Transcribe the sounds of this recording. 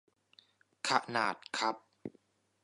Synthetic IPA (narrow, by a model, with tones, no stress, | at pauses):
kʰa˧ʔna̰ː˨˩t̪̚kʰɾa˦˥p̚